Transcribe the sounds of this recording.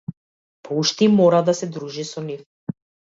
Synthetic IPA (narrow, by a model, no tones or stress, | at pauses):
pɔuʃt̪imɔɾad̪asɛd̪ɾuʒisɔnif